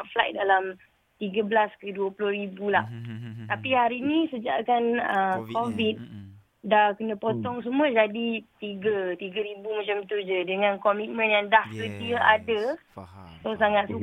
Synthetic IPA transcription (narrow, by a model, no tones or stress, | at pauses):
ʔflaj̚dalam | t̪iɡəbəlaskəduəpulʊhɾibulaht̪apiɦaɾinĩsəd͡ʒa̰ʔkanəkovit̪̚ | dakənə̃pot̪ɔŋsəmũəd͡ʒadit̪iɡət̪iɡəɾibumãt͡ʃamt̪ud͡ʒədəŋãnkomĩt̪̚mə̃njaŋdahsət̪iəʔadə | sosaŋat̪̚su